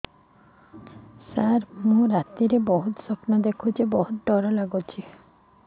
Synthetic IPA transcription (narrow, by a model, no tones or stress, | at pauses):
saɾmũɾat̪ːiɾebɔɦut̪sɔpnad̪ekʰud͡ʑebɔɦut̪̚ɖɔɾalaɡot͡ɕʰi